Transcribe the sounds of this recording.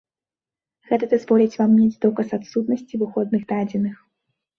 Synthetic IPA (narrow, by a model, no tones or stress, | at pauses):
ɣɛt̪ɐd̪ɨzvɔlʲɛt͡sʲvammʲed͡zʲd̪ɔkɐsat̪sut̪̚nɐsʲt͡sʲivɨxɔd̪̚nɨxd̪ad͡zʲɛnɨx